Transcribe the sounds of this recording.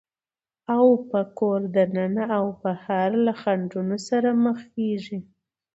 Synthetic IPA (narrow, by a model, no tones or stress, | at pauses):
awpəkoɾd̪ənanaawpəhaɾlaxaɳɖunosaɾaməxkeʒi